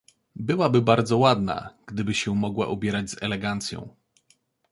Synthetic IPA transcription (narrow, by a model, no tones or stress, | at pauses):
bɘwabɘbaɾd̪zɔwad̪na̰ɡ̥d̪ɘbɘɕɛmɔɡwa̰ʔubʲjɛɾad͡ʑzɛ̰lɛɡant̪sʲjɔ̰̃w̃